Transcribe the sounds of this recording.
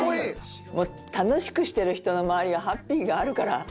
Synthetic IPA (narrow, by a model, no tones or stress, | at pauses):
moː | t̪ano̞ɕi̥kɯ̟ɕi̥t̪e̞ɾɯ̟çi̥t̪o̞no̞maβaɾʲiβaɦapʲːiːɡaːɾɯ̟kaɾa̰